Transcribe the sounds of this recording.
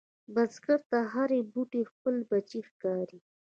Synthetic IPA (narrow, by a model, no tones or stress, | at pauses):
bazɡaɾt̪aɦaɾebuʈexpəlbat͡ʃixkɑɾi